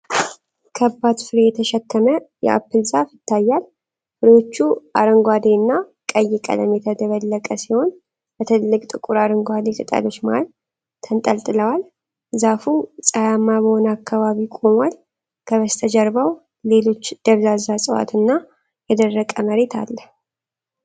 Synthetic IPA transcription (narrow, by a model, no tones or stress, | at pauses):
kʰəbːat̪fɨɾejɛt̪ʰəʃɛkːəməjɛ̰ʔa̰pːɨlzafjɪt̪ːajːal | fɨɾo̞t͡ʃːuʔaɾəŋɡʷad̪enːakʼəjːɪkʼə̰ləmjɛt̪ʰəd̪əβəlːəkʼəsiho̞n | bət̪ʰɨllːɨkʼt̪ʼɨkʼuɾaɾəŋɡʷad̪ekʼɨt̪ʼa̰lo̞t͡ʃːmal | t̪ʰənt̪ʼəlt̪ʼɨləwal | zafusʼajamːabəho̞nəakʰːaβaβikʼo̞mal | kʰəβəst̪ʰəd͡ʒɛɾbaw | le̞lo̞t͡ʃːd̪̥əβzazasʼɨwa̰t̪ʰɨnːa | jɛd̪ərːəkʼəməɾe̞t̪ʰa̰lːəh